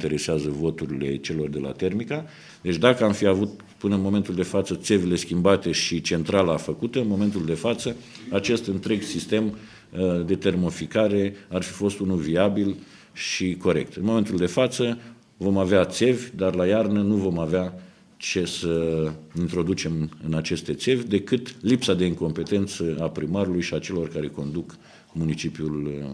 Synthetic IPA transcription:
t̪e̞ɾe̞seazəvo̞t̪uɾile̞̰t͡ʃe̞lo̞rd̪e̞lʔa̰t̪e̞rmika | d̪e̞t͡ʃd̪akəamfiavut̪̚ | pɨnəɨnmo̞ment̪uld̪e̞fat̪sət̪se̞vile̞skʲimbat̪e̞ʃit͡ʃe̞nt̪ɾalafəkut̪əɨnmo̞me̞nt̪uld̪e̞fat̪sə | at͡ʃe̞st̪ɨnt̪ɾe̞ɡsist̪e̞m | d̪e̞t̪e̞rmo̞fikaɾe̞arfi̥fo̞st̪unuviabil | ʃiko̞ɾe̞̰k̚t̪ɨnmo̞me̞nt̪uld̪e̞fat̪sə | vo̞maveat̪se̞vʲd̪arlajarnənuvo̞mavea | t͡ʃe̞səint̪ɾo̞d̪ut͡ʃe̞mɨnat͡ʃe̞st̪e̞t̪se̞vʲd̪e̞kɨt̪lipsad̪e̞iŋko̞mpe̞t̪e̞nt̪səapɾimaɾulujʃiat͡ʃe̞lo̞rkaɾe̞ko̞̰nd̪uk | munit͡ʃipjul

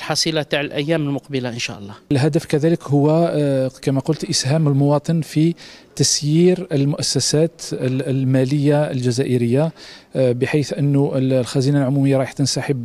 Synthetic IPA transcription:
lħɑsˤilat̪aʕəlʔæjːæməlmʊqbəlaʔənʃæ̰ʔəlˤːɑlɦæd̪əfkæðæləkhʊwːækæmæqʊlt̪ʔəshæməlmʊwɑt̪ˤənfit̪æsjiɾəlmʊʔæsːæsæt̪lmæləjːaə̰lʒæzæʔəɾəjːa | bəħajθʔənːuəlxæzinalʕʊmuməjːɑɾˤɑjħt̪ənsaħəb

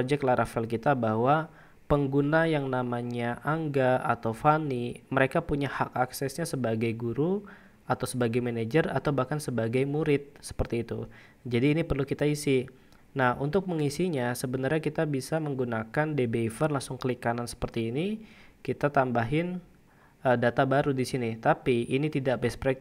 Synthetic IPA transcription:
d͡ʒɛk̚laɾʔafɛlkit̪abahwa | pəŋɡunajaŋnamaɲaʔaŋɡaat̪awfaniməɾekapuɲahakaksɛsɲasəbaɡajɡuɾu | at̪awsəbaɡajmaned͡ʒəra̰t̪awbahkansəbaɡajmuɾɪt̪̚sə̥pərt̪iːt̪ṵ | d͡ʒadiːnipərlukit̪aisi | nahunt̪ʊk̚məŋisiɲasəbənarɲakit̪abisaməŋɡunakandebeifərlaŋsʊŋkəlikanansə̥pərt̪iːnikit̪at̪ambaɦɪn | ədat̪abaɾudisinit̪apiːnit̪idaʔbɛspɾɛk̚

